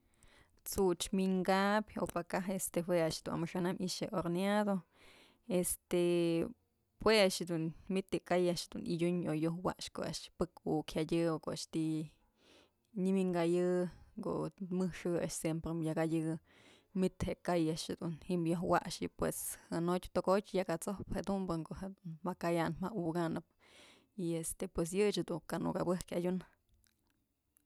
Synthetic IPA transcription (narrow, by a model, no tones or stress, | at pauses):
t͡sut͡ʃmiŋɡabʲo̰pakaɦest̪ehweaʃd̪un̰mɨʂanamʔiʃeʔoɾnjad̪o | est̪e | hweaʃd̪unmit̪ekajaʔʃd̪unḭdʲuɲojohwa̰ʔʂko̰a̰ʔʃpɨkukʰhadʲɨokoʔa̰ʂt̪i | ɲimiŋɡajɨko̰ʔmɨhʂɨa̰ʔʂsjempɾemjaɡajʲɨ | mit̪heʔkajaʃhed̪unhiʔmjoɦwa̰ʔʂipwḛshɨnotʲt̪oɡotʲjakat͡sohphed̪umbɨŋkoʔhed̪unmakajanmauɡanɨp̚ | iest̪epwes̬jɨt͡ʃad̪ukanṵkabɨhkadʲun